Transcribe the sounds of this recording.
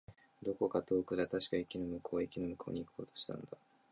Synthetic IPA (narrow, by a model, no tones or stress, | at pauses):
d̪o̞ko̞kat̪o̞ːkɯ̟d̪at̪aɕi̥kaikʲinomɯ̟kʰo̞ːikʲino̞mɯ̟kʰo̞ːɲ̟iːkʰo̞ːt̪o̥ɕi̥t̪ʰã̰nd̪a